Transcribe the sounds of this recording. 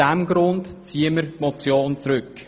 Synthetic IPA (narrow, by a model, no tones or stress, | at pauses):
ɛmɡɾʊndt͡siːəməɾmɔt͡sjoːnt͡sɾʏk